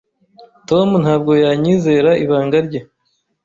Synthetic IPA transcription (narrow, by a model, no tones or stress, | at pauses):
to̞munhaːb̚ɡo̞jaːɲiːze̞ɾaʔiβaːŋɡaɾɟe